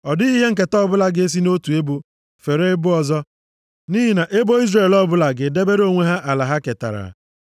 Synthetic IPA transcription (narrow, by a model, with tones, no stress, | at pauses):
ɔ˨di˦i˦ɦe˦ŋ̩˨k̬e˨tɔ˦bʊ˦la˦ɡe˦s̬i˦no˦tu˨e˦bu˦ | fe˨ɾe˦bʊ˦ɔ˨zɔ˦ | ni˦ɦi˦na˨ʔe˦bo˦i˦zre˨lɔ˦bʊ˦la˨ɡɪ˨de˦be˦ɾo˦˨ŋʷe˦ɦa˦ʔa˨la˨ɦa˦ke˨ta̰˨ɾa̰˨